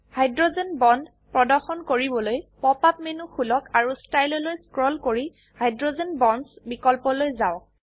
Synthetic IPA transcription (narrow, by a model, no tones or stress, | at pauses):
hajdɹozenbɔnd | pɹɔdɔɹxɔnkoɹibɔlojpɔpap̚menuxulɔkaɹustajlɔlojskɹɔlkoɹi | hajdɹozenbɔnsbikɔlpɔlojzaʊk